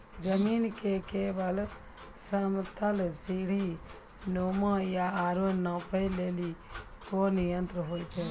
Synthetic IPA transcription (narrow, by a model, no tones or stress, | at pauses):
d͡ʒəminkekebəl | səmt̪əlsiɽ̤i | nomajaaɾonəpəjleli | konijənt̪ɾəɦojt͡ʃʰɛ